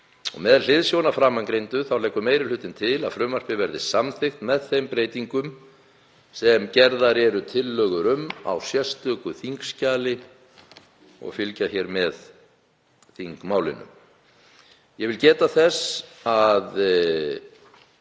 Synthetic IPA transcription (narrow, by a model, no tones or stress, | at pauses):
ɔ̰ɣmɛðl̥ɪðsjownafɾaːmːanŋkɾejnt̪ʏθawlɛjkːʏmeːjɾɪlʏːt̪ɪnt̪ʰɪla̰ðfɾʏːmar̥pɪvɛɾðɪsamθɪxt̪mɛðθejmpɾeːjt̪iŋkʏm | sɛmcɛɾðaɾɛɾʏt̪ʰɪlːœːɣʏɾʏma̰wsjɛst̪œːkʏθiŋkscaːlɪ | ɔ̰ɣfɪlcaçɛːɾmɛð | θiŋkmaːwlɪ̰nʏ̰m | jɛvɪlcɛːt̪aθɛsað